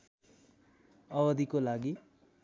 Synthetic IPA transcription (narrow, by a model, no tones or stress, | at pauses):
ʌbʌd̪ikolaɡi